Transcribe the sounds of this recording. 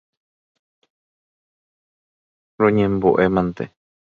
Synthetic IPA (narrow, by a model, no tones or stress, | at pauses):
ɾoɲẽmboʔemãnt̪ḛ